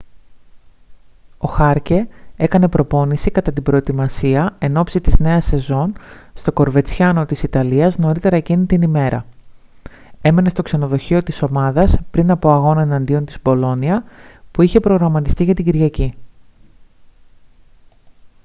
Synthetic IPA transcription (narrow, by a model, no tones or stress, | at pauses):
o̞xɐɾce̞e̞kɐne̞pɾo̞po̞nisikɐt̪ɐt̪ibɾo̞et̪imɐsiɐe̞no̞psit̪izne̞ɐse̞zo̞nst̪o̞ko̞ɾve̞t͡sçɐno̞t̪isit̪ɐliɐzno̞ɾit̪e̞ɾɐecinit̪inime̞ɾʔɐ̰ | e̞me̞ne̞st̪o̞kse̞no̞ðo̞çio̞t̪iso̞mɐðɐspɾinɐpo̞ɐɣo̞nɐenɐnd̪io̞nt̪izpo̞lo̞niɐpuiçe̞pɾo̞ɣɾɐmɐt̪ist̪iʝɐt̪iɟiɾʝɐci